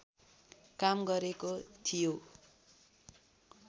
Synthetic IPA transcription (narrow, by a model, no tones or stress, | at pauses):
kamɡʌɾekot̪ʰijo